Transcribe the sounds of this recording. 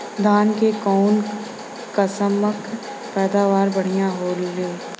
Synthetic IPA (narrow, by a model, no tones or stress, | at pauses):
d̪aːnkekɔːn | kəsəmək | pɛːd̪aːʋaːɾbɐɽ̤ijãɦoːlːeː